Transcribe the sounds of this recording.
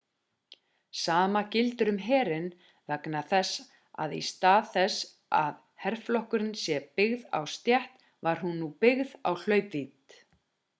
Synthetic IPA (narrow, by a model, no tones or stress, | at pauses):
saːmacɪlt̪ʏɾʏmɦɛːɾɪn | vɛknaθɛsː | a̰ðḭst̪aːðθɛs | a̰ð | hɛr̥flɔhkʏɾɪnsjɛpɪɣða̰wst̪jɛht̪ | vaɾ̥hunːupɪɣða̰wl̥œːɥpvit̪